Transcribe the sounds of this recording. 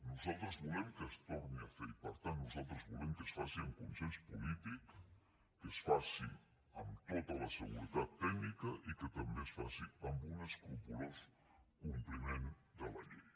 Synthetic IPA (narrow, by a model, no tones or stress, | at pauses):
nuzalˠt̪ɾəzβulɛmkəst̪oɾniafeipəɾt̪anːuzalˠt̪ɾəzβulɛmkəsfasiəmkunsenspulit̪ikː | əsfasḭ | əmt̪ot̪ələsəɣuɾət̪at̪ːɛmikəʔikət̪əmbesfasiəmbunəskulpulos | kumplimend̪ələ̰ʎej